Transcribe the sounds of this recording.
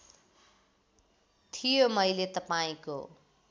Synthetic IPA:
t̪ʰijomʌjlet̪ʌpaĩko̰

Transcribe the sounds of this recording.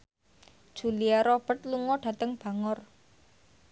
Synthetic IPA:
d̥ʒ̥ṳliaɾɔb̥ə̤t̪̚luŋɔɖ̥ä̤t̪əŋb̥ä̤ŋɔr

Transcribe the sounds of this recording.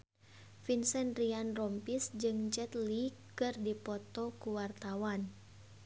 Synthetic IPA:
finsɛnrianrɔmpisd͡ʒɨŋd͡ʒɛt̪likɨrdipɔt̪ɔkuwart̪awan

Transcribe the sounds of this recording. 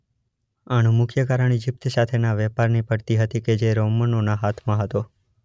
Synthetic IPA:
aɽ̃ũmʊkʰjəkaɾəɳ̃id͡ʒɪp̚t̪sat̪ʰenaʋɛpaɾnipəɽt̪iɦət̪iked͡ʒeɾomənonaɦat̪ʰmãɦət̪o

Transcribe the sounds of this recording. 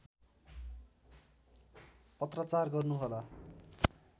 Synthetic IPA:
pʌt̪rʌt͡sarɡʌrnuɦola

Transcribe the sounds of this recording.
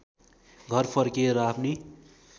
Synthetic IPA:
ɡʱʌrpʰʌrkeɾʌapʰni

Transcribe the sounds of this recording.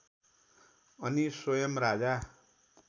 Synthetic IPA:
ʌnisojʌmɾad͡za

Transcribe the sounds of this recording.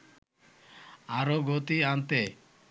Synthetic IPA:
aɾoɡot̪iant̪e

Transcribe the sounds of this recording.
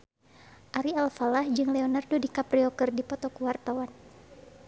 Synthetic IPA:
ʔaɾialfalahd͡ʒɨŋlɛɔnardodikapɾiɔkɨrdipɔt̪ɔkuwart̪awan

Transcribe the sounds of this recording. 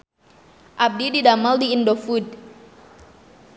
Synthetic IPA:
ʔab̚dididamaldiːndofud̚

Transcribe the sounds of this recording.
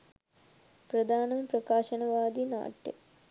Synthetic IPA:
pɾɐd̪ʱaːnɐmprɐkaːʃɐnɐʋaːd̪ina̰ːʈjḛ

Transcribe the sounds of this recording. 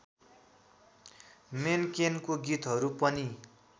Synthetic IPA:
menkenkoɡit̪ɦʌɾupʌni

